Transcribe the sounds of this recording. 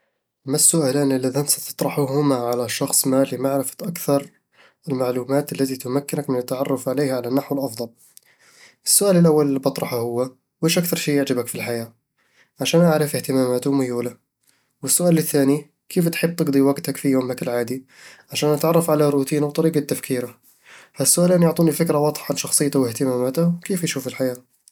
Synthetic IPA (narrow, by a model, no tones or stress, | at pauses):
mːasːʊʔaːlaːnɪlːaðansat̪ɨ̥t̪ˤɾˤɑħuɦʊmaʕalaʃɑxsˤmaːlimaʕɾɪfḁt̪ʔakθɑɾˤ | ɪlmaʕluːmaːt̪alːat̪it̪ʊmakːɪnakmɪnɪt̪ːaʕɑrˤːʊfʕaleːhaʕalanːaħwɪlʔɑfd̪ˤɑl | ʔɪsːʊʔaːlɪlʔawːallːibɑt̪ˤɾˤɑħahʊwːa | weːʃʔakθɑɾˤʃiːjɪʕd͡ʒabakfilħajaː | ʕaʃæːnʔaʕɾɪfɪht̪ɪmaːmaːt̪ʊmʊjuːla | wəsːʊʔaːlɪθːæːni | kʰift̪ħɪb̚ːt̪ɨɡd̪ˤiwaɡt̪akfijuːmakɪlʕaːd̪i | ʕaʃæːnʔat̪ʕɑrˤːɑfʕalaɾut̪iːnawt̪ˤɑɾiːɡat̪ːafkʰiːɾa | fasːʊʔaːlæːnjʊʕt̪ˤuːnifɪkɾawɑd̪ˤħɑnʃɑxsˤɨjːt̪awɪht̪ɪmaːmaːt̪ʊwkiːfjʃuːfɪlħajaː